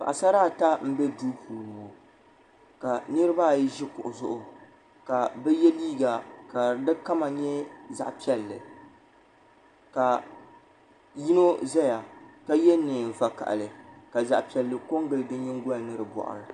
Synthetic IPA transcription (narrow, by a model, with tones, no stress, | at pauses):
pa̰˨ʔa˨sa˦ɾaː˦˨ta˦m̩˦bɛ˦du˦puː˨lm˨ŋo˨ | ka˨nɨ˦ɾɨ˦ba˦˨ji˦ʒi˦kʊ̰˨ʔʊ˨zʊ˦ʔʊ˨ | ka˨bɛ˦jɛ˦liː˦ɡa˨ka˨dɨ˦ka˦ma˨ɲɛ˦za̰˨ʔpi˦ɛ˨lːɨ̰˨ | ka˨ | ji˦no˦za˦ja˨ka˦jɛ˦nɨ˨n˨va˨ka̰˨ʔa̰˨lɨ˨ka˨za˨ʔpi˨ɛ˨lːɨ˨ko˦ŋɡɨ˦ldɨ˦ɲɪ˦ŋɡɔ˦a˨nɨ˦ɾɨ˨bɔ̰˨ʔʊ̰˨ɾɨ˨